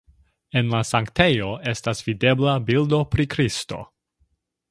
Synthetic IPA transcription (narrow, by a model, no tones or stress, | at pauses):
e̞nlasaŋkte̞jo̞e̞stasv̥ide̞blabildo̞pɾikɾisto̞̰